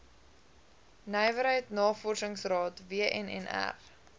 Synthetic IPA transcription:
nəjvəɾɦəjtnɑːfɔrsəŋsrɑːtviəʔɛnɛ̰næ̰r

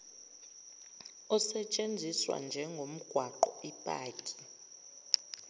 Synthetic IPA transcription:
ɔsɛt͡ʃʼend͡zʱiswa̰nd͡ʒʱɛŋɡʱom̩ɡ̥ʱwaǃɔipʼa̰ːkʼi̥

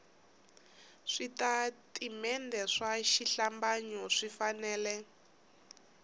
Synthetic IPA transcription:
ʂitatʼimɛndɛʂaʃiɬambaɲɔʂifanɛːlɛ

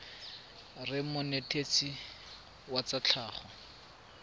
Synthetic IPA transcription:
rɪmʊnetʰʼet͡si | wat͡sat͡ɬʰaːχɔ

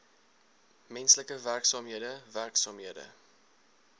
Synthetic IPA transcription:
mɛnsləkəværksɑːmɦiədəværksɑːmɦiədə̰

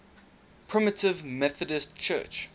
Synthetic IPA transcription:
pʰɹ̥ɪmətʰɪvmɛθədəstt͡ʃʰɜ̰ːt͡ʃ

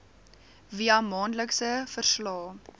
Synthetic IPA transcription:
viɐmɑːnləksəfərslɑː

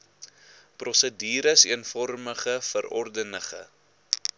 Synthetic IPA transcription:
prɔsədiːɾəsḭənfɔrməχəfəɾɔrdənəχə̰

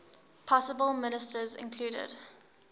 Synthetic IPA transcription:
pʰɔsəbəlˠmɪnɪstəzɪ̰̃nkʰl̥uːɾə̰d

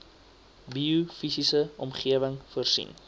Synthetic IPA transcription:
biufisisəɔmχiəvəŋfuərsḭn

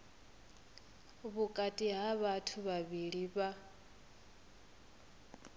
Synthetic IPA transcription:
βukʼatʼiɦaβatʰuβaβiɺiβa

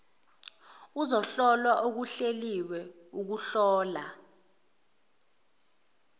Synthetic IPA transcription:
uzɔɬɔlwaʔok̬uɬeliwɛ | uk̬uɬɔːla

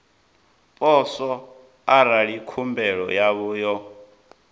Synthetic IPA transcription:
pʼɔsɔ | aɾaɺikʰumbɛɺɔ̰jaβuːjɔ

